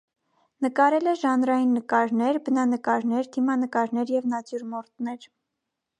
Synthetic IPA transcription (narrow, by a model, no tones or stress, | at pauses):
nəkɑɾɛlɛʒɑnɾɑjinːəkɑɾnɛɾbənɑnəkɑɾnɛɾd̪imɑnəkɑɾnɛɾjɛvnɑt͡sjuɾmɔɾt̪nɛɾ